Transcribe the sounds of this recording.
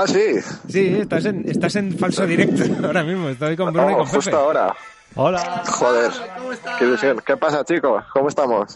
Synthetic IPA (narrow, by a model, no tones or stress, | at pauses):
asisiest̪as̬e̞nest̪ase̞ɱfalsoðiɾek̚t̪oaoɾamizmoest̪ojko̞mbunojkomfuset̪oaoɾa̰ | olaxoðeɾkeðuθjoŋke̞pasat͡ʃikoskomoe̞st̪amo̞s